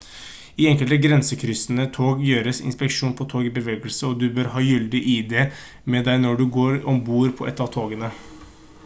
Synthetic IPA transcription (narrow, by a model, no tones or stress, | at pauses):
ɪɛŋkəlt̪əɡɾɛnsəkʰɾʏsənət̪ʰoːɡjøːɾəsɪ̰nspəkʂuːnpʰɔt̪ʰoːɡɪbəʋeːɡəlsəɔd̪ʉbøːɾɦɑːjʏld̪ɪʔɪd̪ɛ | mɛd̪æɪnɔɖʉɡoːɾɔmbuːɾpʰɔʔɛ̰t̪ːɑʋt̪ʰoːɡənə